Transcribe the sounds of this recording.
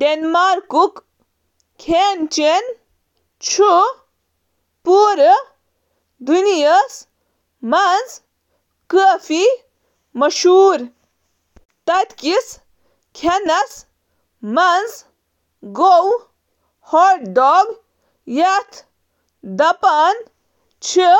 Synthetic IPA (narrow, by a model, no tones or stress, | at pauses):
ɖenmaːɾkuk | kʰeːnt͡ʃen | t͡ʃʰu | puːɾ | d̪unijəs | mɐnz | kəfi | mɐʃuːɾ | t̪ɐt̪kis | kʰenɐs | mɐnz | ɡow | hoʈɖɔːɡ | jɐt̪ʰ | d̪ɐpaːn | t͡ʃʰi